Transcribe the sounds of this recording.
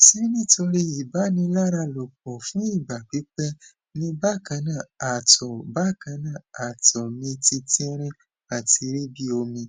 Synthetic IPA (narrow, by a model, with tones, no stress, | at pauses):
si˦nĩ˦to˧ɾi˦i˨ba˨˦nĩ˧la˦ɾa˧lo˨k͡p̚ɔ˨fũ˨˦i˦˨ba˨k͡pi˨˦k͡pɛ˦ | nĩ˦ba˦˨kã˧˦nã˦˨a˨tɔ˨ba˦˨kã˨˧˦nã˦˨a˨tɔ˨mĩ˧ti˧tĩ˦ɾ̃ĩ˦ | a˦˨ti˧ɾi˦bi˦o˧mĩ˧